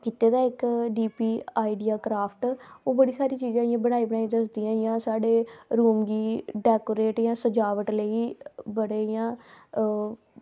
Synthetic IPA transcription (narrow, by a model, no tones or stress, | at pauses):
kɪt̪eːd̪aːɪkɖiːpiːaːɪɖijaːkɾaːpʰʈoːbəɽiːsaːɾiːt͡ʃiːzãːɪjãːbəɽ̃aːiːbəɽaːiːd̪əsd̪iːãːɪjãːsaːɖeːɾuːmɡiːɖɛːkoːɾeːʈjãːsəd͡ʒaːʋəʈləiːbəɽeːɪjãː